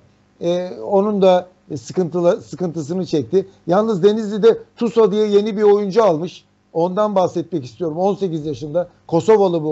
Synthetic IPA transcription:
ɛo̞nund̪a | sɯkɯnt̪ʰɯlˠasɯkɯnt̪ʰɯs̬ɯnɯt͡ʃʰɛc̚t̪ʰɪjalˠnɯzd̪e̞nizlʲid̪ɛt̪ʰusad̪ɯjaje̞nibiɾo̞jund͡ʒualˠmɯʃ | o̞nd̪anbaxsɛt̪̚mɛcist̪ʰijo̞ɾumo̞nse̞cizjaʃɯnd̪a | kʰo̞so̞volˠɯbu

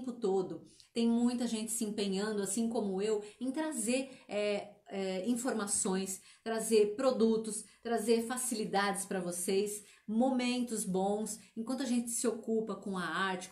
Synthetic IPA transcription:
pʊt̪od̪ʊt̪ẽj̃mũj̃t̪ɐʒẽnt͡ʃɪ̥sɪẽpẽɲɐ̃nd̪ʊasĩkõmʊewẽt̪ɾazeɾɛɛĩfoɾmasõj̃s | t̪ɾazeɾpɾod̪ut̪ʊst̪ɾazeɾfasilid̪ad͡ʒɪspɾɐvosejs | momẽnt̪ʊzbõw̃sẽkwɐ̃nt̪ʊaʒẽnt͡ʃɪ̥sɪokupɐkõɐaɾt͡ʃɪ̥

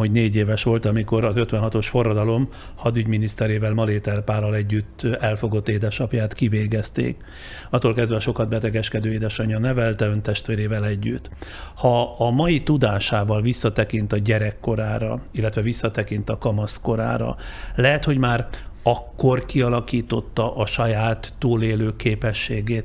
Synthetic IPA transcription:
oɟneːɟeːvɛʃʋo̞lt̪ɒmiko̞ɾɒzøt̪ʋɛnɦɒt̪o̞ʃfo̞rːɒd̪ɒlo̞mhɒd̪yɟminist̪ɛɾeːvɛlmɒleːt̪ɛrpaːlɒlɛɟːyt̪ːɛlfo̞ɡo̞t̪ːeːd̪ɛʃɒpjaːt̪kiveːɡɛst̪ḛːk | ɒt̪ːolkɛzd̪vɛʃo̞kɒd̪bɛt̪ɛɡɛʃkɛd̪øːeːd̪ɛʃɒɲːɒnɛvɛlt̪ɛønt̪ɛʃt̪ʋeːɾeːvɛlɛɟːyt̪ː | hɒɒmɒjit̪ud̪aːʃaːvɒlvisːɒt̪ɛkint̪ɒɟɛɾɛkːo̞ɾaːɾɒilːɛt̪ʋɛvisːɒt̪ɛkint̪ɒkɒmɒsko̞ɾa̰ːɾɒ̰lɛɦɛt̪ho̞ɟmaːrɒkːo̞rkiɒlɒkiːt̪ot̪ːɒʔɒʃɒjaːt̪ːuːleːløːkeːpɛʃːeːɡeːt̪

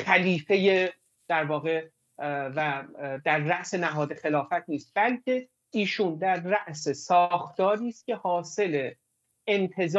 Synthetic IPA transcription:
xæliːfe̞je | d̪̥æɾvɒːɣe̞ | væd̪æɾːæʔse̞næɦɒːd̪e̞xe̞lɒːfæt̪̚ʰniːst̪̚b̥ælcʰe̞ | iːʃuːnd̪æɾːæʔse̞sɒxt̪ɒːɾiːst̪̚cʲʰe̞hɒːse̞le̞ | emt̪ʰe̞z

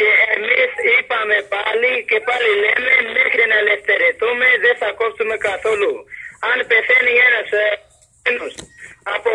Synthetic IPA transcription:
keemisipaːmebaːlikepaːliːleːmemeːkʰɾeːnaːleːst̪eːɾet̪umẽzeːsaːkoːpt̪umekaːsoːluːaːnpeːseːnjeːnas | enusapo

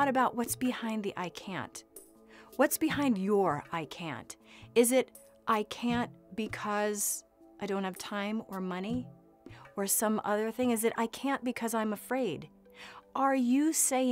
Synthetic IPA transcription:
ɾɨbaʊʔ̚wʌtsb̥ɨhãɪ̃nðiʔaɪkʰæ̰̃nt | wʌtsb̥ɨhãɪ̃ndjə˞aɪkʰæ̰̃ntɨzɪɾ | ʔaɪkʰæ̃nb̥ɨkʰʌz | aɪdõʊ̃nthɨv̥tʰãɪ̃mə˞mʌni | ə˞sʌ̃mʔʌðə˞θɪ̃ŋɨzɨɾʔa̰ɪkʰæ̃nb̥ɨkʰʌzãɪ̃məfɹeɪd | ʔə˞jɨseɪ̃

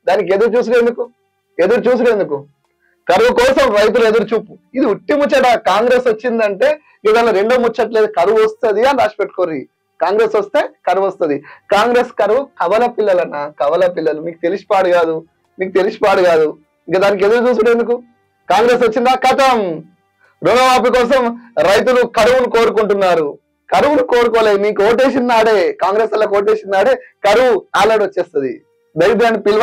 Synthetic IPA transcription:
d̪aːnik̬e̞d̪uɾut͡ʃuːs̬uɽe̞nd̪uku | e̞d̪uɾut͡ʃuːs̬uɽend̪uku | kɐɾʋukɔːsɐmɾɐjt̪̬ule̞d̪uɾut͡ʃuːpuid̪iuʈːimut͡ʃːɐʈaːkaːŋɡɾe̞sot͡ʃːind̪ɐɳʈe̞ː | ɡɐt̪ɐnloɾe̞ɳɖoːmut͡ʃːɐʈle̞ːd̪ukɐɾʋuost̪ud̪iɐnɾaːʂpeʈːu̥koːɾi | kaːŋɡɾe̞ːsɐst̪e̞ːkɐɾʋost̪und̪ikaːŋɡɾe̞ːskɐɾʋukɐʋɐlɐpilːɐlɐnːɐkɐʋɐlɐpilːɐlumiːkut̪e̞lisi̥paːɽuɡaːd̪u | miːkut̪e̞lisi̥paːɽuɡaːd̪u | iŋkaɐd̪aːnik̬ed̪ɐɾut͡ʃuːsuɽeːnd̪uku | kaːŋɡɾe̞ːsʋɐt͡ʃːind̪aːkɐt̪ɐm | ɾoːnɐmaːp̬ikɔːs̬ɐmɾɐjt̪̬ulukɐɾuʋunuko̞ːɾukuɳʈunːaːɾu | kɐɾuʋunukoːɾukoːleːjimiːkuoːʈ̬eːs̬inːaːɽeːkaːŋɡɾe̞ːsɐlːɐkoːʈ̬eːsinːaːɽe̞ːkɐɾuʋuaːlɐʈʋɐt͡ʃːeːst̪ɐd̪ḭ | d̪ɐjd̪eɳipil

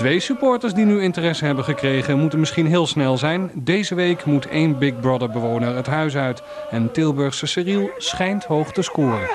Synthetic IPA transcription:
tʋejsypʊːɹtəɹsdinyɪntərɛsəɦɛbənχəkrejχənmutənmɪsχinɦɪːlˠsnɛlˠzɛjndejzəʋejkmutḛjnbɪk̚brɑdəɹbəʋownəɹɦətɦœɥs̬œɥt | ɛntɪlˠbɵɹχsəsɪrilˠsχɛjntɦowχtəskʊːrən

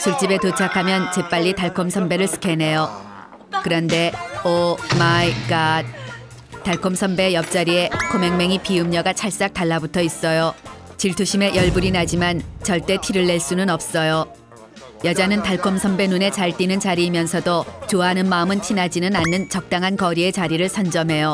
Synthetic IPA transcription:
t͡ɕuɭt͡ɕ͈ibe̞tot͡ɕʰakʰamjʌnt͡ɕe̞p͈aʎːitaɭkʰomsʰʌmbe̞ɾɯɭsʰɯ̥kʰe̞ne̞jo | kɯɾʌnde̞omaiɡat̚ | taɭkʰomsʰʌmbe̞jʌp̚t͡ɕ͈aɾie̞kʰome̞ŋme̞ŋipiɯmɲʌɡat͡ɕʰaɭs͈ak̚taɭːabutʰʌis͈ʌjot͡ɕiɭtʰuɕʰime̞jʌɭbuɾinɦad͡ʑimant͡ɕʌɭt͈e̞tʰiɾɯɭːe̞ɭs͈unɯnʌp̚s͈ʌjo | jʌd͡ʑanɯntaɭkʰomsʰʌmbe̞nune̞t͡ɕaɭt͈inɯnt͡ɕaɾiːmjʌnsʰʌdot͡ɕoanɯnmaɯmɯntʰinad͡ʑinɯnanːɯnt͡ɕʌk̚t͈aŋɦankʌɾie̞t͡ɕaɾiɾɯɭsʰʌnd͡ʑʌmɦe̞jo

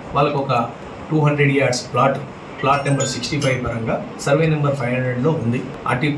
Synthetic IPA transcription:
ʋaːlɐkɔkɐ | ʈuːɦɐɳɖɾeɖijaːɖsplaːʈ | plaːʈnɐmbɐɾsiksʈipʰɐjʋpɐɾɐŋɡaːsɐɾʋeːnɐmbɐɾpʰɐjɦɐɳɖɾeɖloːund̪i | a̰ʈːi

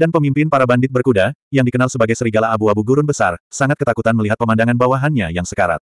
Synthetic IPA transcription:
danpəmimpɪnpaɾabandɪt̪̚bərkudajaŋdikənalsəbaɡajsəɾiɡalaːbuabuɡuɾʊnbəsa̰rsaŋat̪kət̪akut̪anməliɦat̪̚pəmandaŋanbawaɦanɲajaŋsə̥kaɾa̰t̪̚

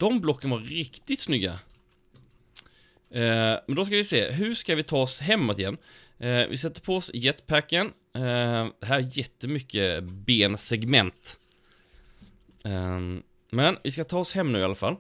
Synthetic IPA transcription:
d̪̥ɔmblɔkːənavaɾɾɪkt̪ɪt̪snʏɡːa̰ | mɛnd̪ɔs̬kavɪsḛːɦɵʂkavɪt̪ʰɑːɔsɦɛmːɔt̪ɪjɛnː | vɪ̰sɛt̪ːəɾpʰɔɔsjɛt̪ːpʰækən | d̪̥ɛɦæːɾæjɛt̪ːəmʏkːəbeːnsɛɡmɛnt̪ | mɛnvɪskat̪ʰɑːɔshɛmːnʉːɪalafa̰l

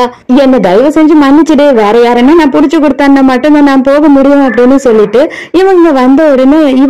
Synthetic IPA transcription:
ɛnːɐd̪ɐɪʋɐsɛɲd͡ʒɯmɐnːɪt͡ʃːɯɽeːʋeːɾɐjaːɾɐnːenãːpʊɽɪt͡ʃːɯkːɔɽɯt̪ːaːnːɐmɐʈːɯ̃nd̪ɐnãːpoːɣɐmʊɽɪjõːɐp̬ːɐɽɪnːɯsɔlːɪʈːɯ | ɪʋɐŋŋɡɐʋɐnd̪ɐɔɽɐnɯɪ

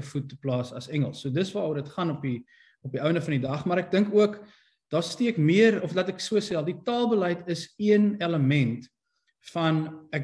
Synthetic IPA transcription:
əfutəplɑːsɐ̰sɛŋəlˠsːuədəsvɑːudətχɐnɔpi | ɔpiœwndəfɐndidɐχmɑːɾæk̚dəŋkuək | d̥ɑːstiəkmiəɾɔflɐtɛksuəsɛlˠditɑːlˠbəlɛjtəsiənɛləmɛnt | fɐnæk̚

